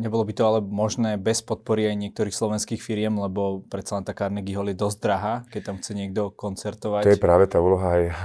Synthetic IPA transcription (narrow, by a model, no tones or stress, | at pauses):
ɲɛbɔlɔbit̪ɔalɛmɔʒnɛːbɛspɔt̪̚pɔɾiajɲɪɛk̚t̪ɔɾiːxslɔʋɛnskiːxfiɾɪɛmlɛbɔpɾɛt̪salɛnt̪akaːɾnɛɡiɦɔljɛd̪ɔzd̪ɾaɦaːkɛct̪amxt͡sɛɲɪɛɡd̪ɔkɔnt͡sɛɾt̪ɔʋajɛpɾaːʋɛt̪aːuːlɔɦaj